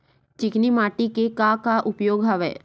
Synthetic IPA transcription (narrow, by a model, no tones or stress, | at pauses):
t͡ʃɪknimaʈikekakaʔʊpjoɡɦəʋḛ